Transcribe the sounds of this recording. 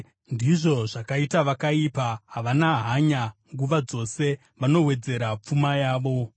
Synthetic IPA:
ndiʐo̞ʐakaitaʋakaipaɦaʋanaɦaɲaŋɡuʋad͡zo̞se̞ | ʋano̞we̞d͡ze̞ɾap͡fumajaːʋo̞

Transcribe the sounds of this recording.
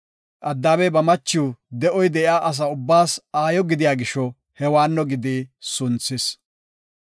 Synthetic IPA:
ʔɐd̪ːaːbɛbɐmɐt͡ʃːuwd̪ɛʔɔjd̪ɛʔjaːʔɐs̬ɐʊbːaːsaːjɔɡɪd̪ɪjaːɡɪʃɔ | hɛwaːnːɔɡɪd̪isʊnt͡sːɪs

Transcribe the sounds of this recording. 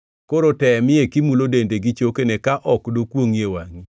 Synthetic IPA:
koɾotɛmɪekimulodendeɡit͡ʃokenɛkaʔɔkdokwoŋjewaŋi

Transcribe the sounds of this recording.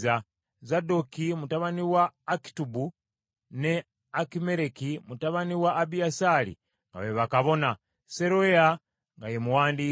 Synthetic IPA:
za | zadokimutaβaniwaːki̥tubu | ne | akime̞ɾekimutaβaniwaʔːbiasalḭ | ŋɡa̰βeβakaβo̞na | seɾoea | ŋɡajemuwaːndi

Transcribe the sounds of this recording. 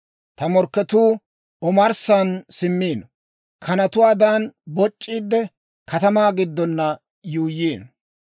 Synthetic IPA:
t̪ɐmɔɾkːɛt̪uː | ɔmɐɾsansɪmːiːn | kʰɐnɐt̪ʊwaːd̪anbɔt͡ʃʼːiːd̪ːɛ | kɐt̪ɐmaːɡɪd̪ːɔnːɐ | juːjːiːn

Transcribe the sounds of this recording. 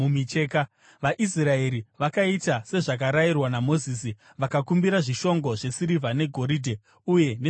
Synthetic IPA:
umit͡ʃeka | ʋaʔisrae̞ɾiʋakaitase̞ʐak̬aɾairwanamo̞ziːs̬i | ʋakakumbiɾaʐiʃo̞ŋɡo̞ʐe̞siɾivane̞ɡʱo̞ɾidʱe̞ | uje̞ne

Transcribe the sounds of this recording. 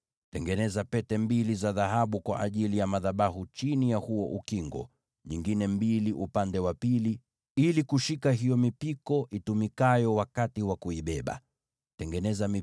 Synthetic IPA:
tɛŋɡɛnɛzapɛtɛmbilizaðaɦaɓukwa̰ʔaʄilijamaðaɓahut͡ʃinijahuɔʔukiŋɡɔ̰ | ɲiŋɡinɛmbiliʔupandɛwapili | ilikuʃikaɦijɔmipikɔʔitumikajɔwakatiwakuiɓɛɓa̰ | tɛŋɡɛnɛzami

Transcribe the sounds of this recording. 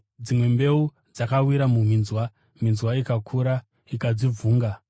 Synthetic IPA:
d͡zimwe̞mbe̞u | d͡zakawiɾamum̤inzwa | minzwaikakʰuɾa | ikad͡zivuːŋɡa

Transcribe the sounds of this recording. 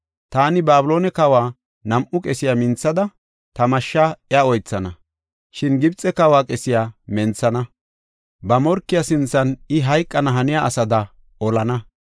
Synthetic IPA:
t̪aːnɪbaːbʊlo̞ːnɛkɐwaː | nɐmʔʊkʼɛsɪjamɪnt͡sːɐd̪ɐ | t̪ɐmɐʃːaɛaɔjt͡sːɐnɐ | ʃɪnɡɪbt͡sʼːɛkɐwaːkʼɛsɪjaːmɛnt͡sːɐnɐ | bɐmɔɾkːɪjasɪnt͡sːɐnɪɦɐjkʼːɐnɐɦɐnɪjaʔɐsɐd̪ɐ | ɔlɐnɐ

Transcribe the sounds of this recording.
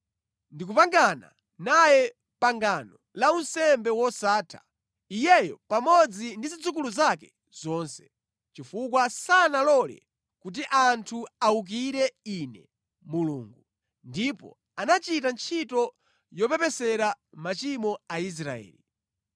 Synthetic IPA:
ndik̬upaŋɡana̰ | najɛ | paŋɡanɔ | launsɛmbɛwɔsaːtʰḁ̰ | ijɛjɔpamɔd͡zindizid͡zuk̬uluzakɛ | z̥ɔːnsɛ̥ | t͡ʃifukwasanalɔlɛ̰ | kut̬iʔantʰuauk̬iɾɛinɛ | muluːŋɡu | ndipɔ̰ | anat͡ʃitant͡ʃʰitɔ | jɔpɛpɛsɛɾamat͡ʃimɔais̬ɾaɛ̰ːli

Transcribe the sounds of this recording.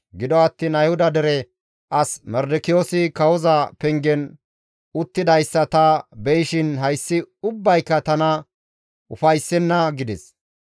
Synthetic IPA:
ɡɪd̪ɔɐt̪ːiːnɐjhʊd̪ɐd̪ɛɾɛ | ʔɐsmɛɾd̪ɪkɪjoːsɪkɐwɔzɐpɛŋɡɛn | ʊt̪ːɪd̪ɐjsːɐt̪ɐbɛjɪʃɪnɦɐjsːɪʊbːɐjkːɐt̪ɐnɐ | ʔʊfɐjsːɛnːɐɡɪd̪ɛs

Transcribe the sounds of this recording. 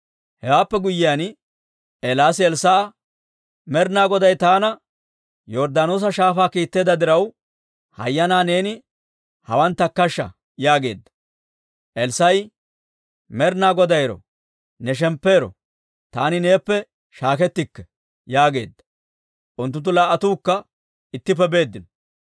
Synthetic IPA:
hɛwaːpːɛɡʊjːɪjan | ʔɛlaːsɪɛlsaː | mɛɾnaːɡɔd̪ɐjt̪aːnɐ | jɔɾd̪anoːs̬ɐʃaːfaːkiːt̪ːe̞ːd̪ɐd̪ɪɾɐw | hɐ̰jːɐnaːne̞ːnɪ | hɐwɐnt̪ːɐkːɐʃːɐ̰ | jaːɡe̞̰ːd̪ːɐ̥ | ʔɛlsɐj | mɛɾnaːɡɔd̪ɐjɾɔ̰ | nɛʃ̬ɛmpːe̞ːɾɔ̰ | t̪aːnɪne̞ːpːɛ | ʃaːkɛt̪ːɪkːɛ̥ | jaːɡe̞̰ːd̪ːɐ | ʔʊnt̪ːʊnt̪̬ːʊlaːʔːɐt̪uːkːɐ | ɪt̪ːɪp̬ːɛbe̞ːd̪ːɪnɔ

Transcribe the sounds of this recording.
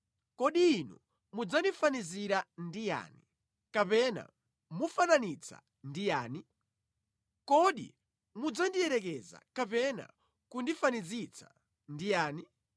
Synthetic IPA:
kɔɗiːnṵ | mud͡zandifaniziɾandija̰ːni | kapɛna̰ | mufananit͡sa̰ | ndijaːni | kɔɗḭ | mud͡zandiɛɾɛk̬ɛza̰kapɛna̰ | kundifanizit͡sʰḁ | ndijaːni

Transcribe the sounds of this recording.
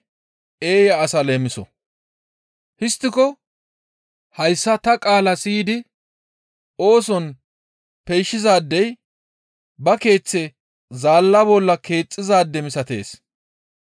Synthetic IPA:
ʔe̞ːjɐːsɐle̞ːmɪsɔ | hɪst̪ːɪkɔ | hɐjsːɐt̪ɐkʼaːlɐsiːd̪ɪ | o̞ːs̬ɔn | pɛjʃːɪzaːd̪ːɛj | bɐke̞ːt͡sːɛ | zaːlːɐbɔlːɐke̞ːt͡sʼːɪzaːd̪ːɛmɪsɐt̪e̞̰ːs

